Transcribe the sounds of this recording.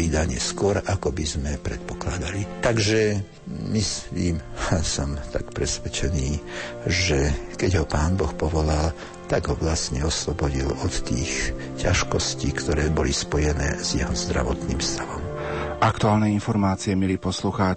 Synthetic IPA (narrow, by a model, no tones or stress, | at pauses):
iːd̪aɲɪɛskʊɔɾakɔbizmɛpɾɛt̪pɔ̥klad̪alit̪aɡʒɛ | misliːmsɔmt̪akpɾɛsʋɛt͡ʃɛniːʒɛkɛɟɦɔpaːnbɔxpɔʋɔlal | t̪aɡɦɔʋlastɲɛɔslɔbɔɟilɔt̪ːiːx | caʃkɔsciːkt̪ɔɾɛːbɔlispɔjɛnɛ̰ːz̥jɛɦɔzd̪ɾa̰ʋɔt̪niːmfst̪aʋɔm | ʔakt̪uaːlnɛinfɔɾmaːt͡siɛmɛlipɔsluːxa